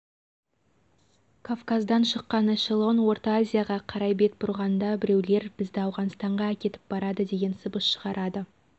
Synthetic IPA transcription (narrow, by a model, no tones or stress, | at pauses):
kʰovkazd̪ɑnʃəqːɑnaʃelˠo̞nwo̞ɾt̪oazʲijaʁɑqʰɑɾɑjbe̞t̪̚bʊɾʁɑnd̪ɑbɪɾe̞wle̞ɾbɪzd̪ɪɑwʁɑnst̪ɑɴʁɑækʲe̞t̪ɪ̥p̚bɑɾɑd̪əd̪e̞ɡʲe̞nsəbəsʃəʁɑɾʔɑd̪ə